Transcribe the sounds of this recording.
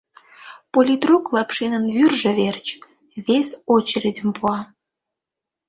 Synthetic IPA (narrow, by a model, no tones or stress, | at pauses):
polʲit̪ruklˠɑpʃinə̆nvyrʒə̆βert͡ɕ | βesʲot͡ɕeɾʲedʲə̆mpuɑ